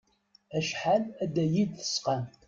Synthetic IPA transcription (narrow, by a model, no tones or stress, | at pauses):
æʃħalæd̪æjid̪θə̥sqan